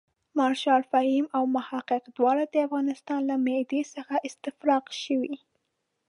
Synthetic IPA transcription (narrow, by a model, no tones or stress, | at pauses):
mɑɾʃɑlfahimawmahɑqɪqd̪wɑɽad̪əafɣɑnɪst̪ɑnlamed̪esəxaʔɪst̪ɪfɾɑqʃəwi